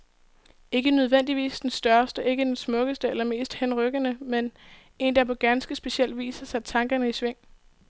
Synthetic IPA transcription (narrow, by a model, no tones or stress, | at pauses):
e̝ɡ̥ənøð̞ˠʋen̰d̥iʋḭːsd̥ensd̥ɶɐsd̥əʔe̝ɡ̥əd̥ensmɔ̽ɡ̥əsd̥əelɐme̝̰ːsd̥henʁœɡ̥ənəmen | e̝nd̥ɑpʰɒ̽ɡ̥ænsɡ̥əsb̥e̝sɕiel̰d̥ʋḭːsɐsæ̥t͡sʰɑ̈ŋɡ̥ɐnəisʋeŋ̰